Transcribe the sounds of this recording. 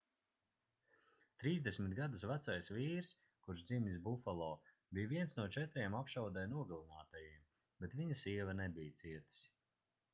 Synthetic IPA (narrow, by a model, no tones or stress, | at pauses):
t̪ɾiːzd̪esʲmit̪̚ɡad̪usvæt̪sajsviːɾs | kuɾʃd̪zimʲis̬bufalˠɔː | bijviɛnsnuɔt͡ʃɛt̪ɾiɛmapʃawd̪ɛjnuɔɡalˠinaːt̪ajiɛm | b̥ɛt̪viɲɐsiɛvɐnɛbijt̪siɛt̪i̥s